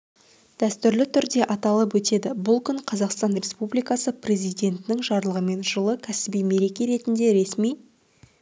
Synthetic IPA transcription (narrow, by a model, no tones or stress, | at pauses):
d̪̥æst̪ʏɾlɪt̪ʰʏɾd̪e̞ʔɑt̪ɑlˠəp̬wɵt̪e̞d̪ɪbʊlˠkʲʰʏɴqʰɑzɑqst̪ɑnrʲe̞spublijkɑsəprʲe̞zijd̪ʲe̞nt̪ɪnɪŋʒɑɾlˠəʁəme̞nʒəlˠəkʲʰæsɪbijme̞ɾe̞kʲe̞ɾe̞t̪ɪnd̪e̞ɾe̞smij